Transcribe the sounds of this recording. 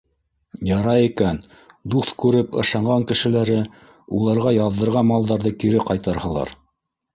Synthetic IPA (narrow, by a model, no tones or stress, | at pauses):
jɑɾɑikæn | d̪uθkʉɾɘpɤ̰̆ʃɑɴɢɑŋkɘ̆ʃɘ̆læɾɘ | ulˠɑɾʁɑjɑðɤ̆ɾʁɑnmɑlˠd̪ɑɾðɤkiɾɘqɑjt̪ɑɾhɤ̆lˠɑ̰ɾ